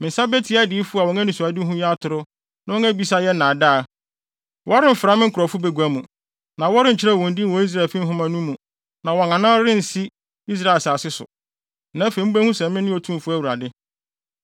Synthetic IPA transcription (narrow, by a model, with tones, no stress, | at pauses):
mɪ̃˨sa˦be˦tʰi˨˦a˦dɪ˨˦fu˦a˨wɔ̃˨ŋã˦nĩ˨su˨a˨dɪ˦ɦʊ̃˦jɛ˦a˦tʰʊ˨ɾʊ˦ | nã˦wɔ˦ŋæ˦bi˨˦sa˦jɛ˦nã˨da˦˨ | wʔɔ˦a˦ɾɪ̃˦m̩˨fɪ˨ɾa˦mɪ̃˦ŋ̩˦kʰʊ˨ɾɔ˨fʊ˦be˨ɡu˨æ˦mũ˨ | nã˨wɔ˦ɾɪ˦˨t͡ɕʰɪ˦ɾɛ˦˨ɔ̃˨n̩˨di˦˨wɔ˦i˦s̬ɾa˦˨fĩ˦m˦ɦʊ̃˦mã˨nũ˦mːũ˨ | nã˨wɔ˨ŋã˨nã˦ɾɪ̃˦n̩˨si˦ | i˦s̬ɾa˦˨e˨sa˨sɪ˦sʊ̰˨ | nã˨˦fẽ˨m̩˦bæ˦hũ˦sɛ̃˨m˦mɪ̃˦nʊ̃˦ɔ˦tʰũ˦˨fu˦æ˦wu˨ɾa˨dɪ˦